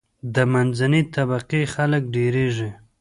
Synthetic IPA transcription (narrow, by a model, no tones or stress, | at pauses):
d̪əmanzanit̪abaqexalək̚ɖeɾeʐi